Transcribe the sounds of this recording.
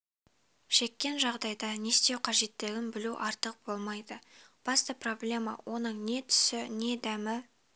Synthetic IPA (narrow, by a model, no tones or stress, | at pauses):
ʃe̞kʲːe̞nʒɑʁd̪ɑjd̪ɑne̞st̪e̞wqʰɑʒe̞t̪ːɪɡʲɪnbɪluʔɑɾt̪əq̚b̥o̞lˠmɑjd̪əb̥ɑst̪əpro̞blʲe̞mɑ̰wʔo̞nəɴne̞t̪ʰʏ̥sɪne̞d̪æmɪ